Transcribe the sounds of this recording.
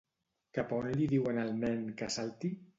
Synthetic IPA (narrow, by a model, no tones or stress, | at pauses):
kapaonliðiwenalmɛŋkasalt̪i